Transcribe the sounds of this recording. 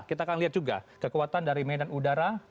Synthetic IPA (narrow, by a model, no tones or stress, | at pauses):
kit̪akanliat̪̚d͡ʒuɡa̰kəkuat̪andaɾimedanudaɾa